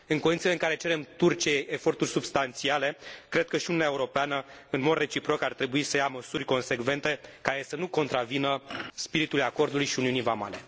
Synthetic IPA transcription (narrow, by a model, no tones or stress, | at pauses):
ɨŋkonit̪ileɨŋkaɾe̞t͡ʃe̞ɾe̞mt̪urt͡ʃieefo̞rt̪urʲsubst̪ant̪siale̞kɾe̞d̪̚kəʃiununʲaeuɾo̞peanəɨnmo̞d̪re̞t͡ʃipɾo̞kart̪ɾe̞buisəjaməsurʲko̞nse̞ɡve̞nt̪e̞kaɾe̞sənuko̞nt̪ɾavinəspiɾit̪uljako̞rd̪ulujʃiuniunijvama̰le̞